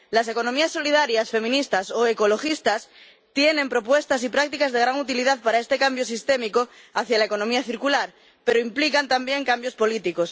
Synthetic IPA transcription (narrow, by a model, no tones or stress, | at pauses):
lase̞ko̞nomiasːolið̞aɾjasfe̞mĩnist̪asoeko̞lo̞xist̪as | t̪jenẽmpɾo̞pwe̞st̪asipɾak̚t̪ikazðe̞ɣ̞ɾaŋut̪̬iliðaðpaɾae̞st̪ekambjosist̪e̞miko | aθjalaeko̞nomiaθiɾkulaɾ | pe̞ɾoimplikant̪ambje̞ŋkambjospo̞lit̪iko̞s